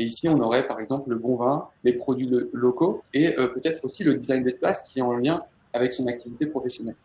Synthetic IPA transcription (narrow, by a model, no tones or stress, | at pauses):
eisiɔ̃nɔʁɛpaʁɛɡzɑ̃pləbɔ̃vɛ̃lepχɔd̪ɥilɔkoeøpøt̪ɛt̪χosiləd̪izajnd̪ɛspaskʲiɛɑ̃ljɛ̃ | avɛksɔ̃nak̚t̪ivit̪epχɔfɛsjɔnɛl